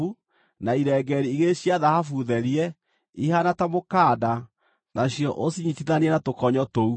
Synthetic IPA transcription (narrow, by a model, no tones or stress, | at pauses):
u | naiɾɛɡɛɾiiɣeɕjaðahafuðɛɾiɛ | ihanatamokaːda | naɕjɔʔosiɲitiðaneɛnatokɔɲɔtou